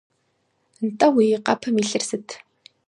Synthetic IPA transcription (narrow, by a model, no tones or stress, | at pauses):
ntʼɐwiːqɐpʰɐmiɬɨrsɨtʰ